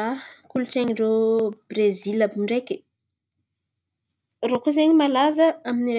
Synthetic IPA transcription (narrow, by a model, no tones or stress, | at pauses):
kulut͡ʃeŋirobrezilabuɳɖ͡ʐeki̥ | rokuzeɲimalazəaminiɾ